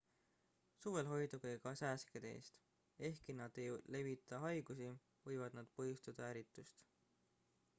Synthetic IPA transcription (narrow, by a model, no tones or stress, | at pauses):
suːve̞lɦo̞jd̪̥ukɯjkɑsæːsked̪eḛːst̪ | e̞hkinɑd̪̥ejle̞vit̪ˑːɑɦɑjɡ̥usi | vɤjvɑd̪̥nɑd̪̥pɤɦjust̪ɑd̪̥ɑæɾit̪ːˑust̪